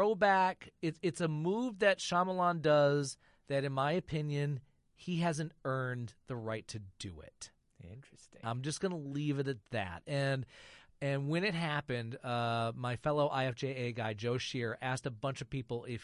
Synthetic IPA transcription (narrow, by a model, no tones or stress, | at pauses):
oʊbækɨtɨtsəmuvðɨtʃɑməlɑ̃ndʌz | ðɨɾɨ̃nmaɪɨpʰɪ̃njɨ̃n | iɦæzɨ̃ntɜ̃˞nðəɹaɪtʰɨdɨ̰ɪ̰t̚ | ɪ̰̃nɹsãɪ̃md͡ʒʌsɡ̥ʌnəlivɨɾɨt̪̚ðæ̰t̚ɨ̃nɨ̃nwɨ̃ñɨt̚ɦæpɨ̃ndʌmaɪfɛlˠoʊʔaɪɛfd͡ʒeɪeɪɡaɪd͡ʒoʊʃɪɹʔæstəbʌ̃nt͡ʃʌv̥pipl̩ˠɪf